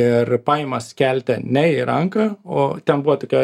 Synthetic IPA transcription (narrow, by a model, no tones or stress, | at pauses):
ɪrpɑːjɪmɐskʲælʲt̪ʲɛnʲɛɪɾɐŋkɑːoːt̪ʲɛnbuʋɐt̪oːkʲɛ